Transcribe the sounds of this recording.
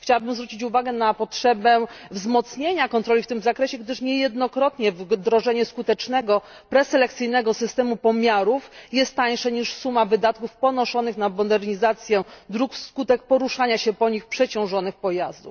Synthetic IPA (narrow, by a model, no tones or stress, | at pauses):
xt͡ɕawabɘmzvɾut͡ɕit͡ɕuvaɡɛnapɔtʂɛbɛvzmɔt̪sɲeɲakɔnt̪ɾɔlʲift̪ɘmzakɾɛɕɛɡd̪ɘʂɲɛjɛd̪nɔkɾɔt̪ɲɛvd̪ɾɔʐɛɲɛskut̪ɛt͡ʂnɛɡɔ | pɾɛsɛlɛkt̪sɘjnɛɡɔsɘst̪ɛmupɔmʲjaɾufjɛst̪t̪ːaj̃ʂaɲiʂsumavɘd̪at̪kufpɔnɔʂɔnɘxnamɔd̪ɛɾɲizat̪sʲjɛd̪ɾukskut̪ɛk̚pɔɾuʂaɲaɕɛpɔɲixpʂɛt͡ɕɔ̃w̃ʐɔnɘxpɔjazd̪uf